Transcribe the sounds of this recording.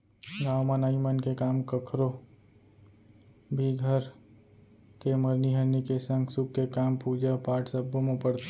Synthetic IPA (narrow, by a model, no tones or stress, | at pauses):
ɡaːmanaːimənkekaːmkəkʰɾo | bʱiɡʱəɾ | keməɾniɦəɾnikesə̃ŋɡsʊkkekaːmpuːd͡ʒapaːʈʰsəbːomõpəɾt̪